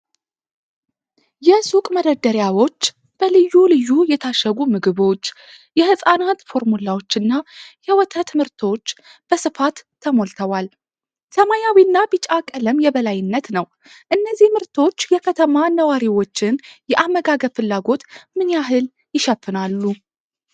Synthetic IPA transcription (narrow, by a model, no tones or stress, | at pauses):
jɛsukʼməd̪əd̪əɾjawo̞t͡ʃː | b̥əlɨjːulɨjːujɛt̪ʰaʃəɡumɨɡɨβo̞t͡ʃː | jɛhɨsʼanat̪fo̞ɾmulawo̞t͡ʃːɨnːajɛwɔt̪ʰət̪mɨɾt̪ʰo̞t͡ʃːb̥əsɨfat̪ʰːəmo̞lt̪ʰəwal | səmajawinːabɨt͡ʃʼakʼələmjɛbəlajɪnːət̪nəw | ʔɨnːəzːihmɨɾt̪ʰo̞t͡ʃːjɛkʰət̪ʰəmanəwaɾiwo̞t͡ʃːɪnjɛʔamːəɡaɡəfɨlːaɡo̞t̪mɨnjaɦɨl | jɪʃɛfːɨnalːu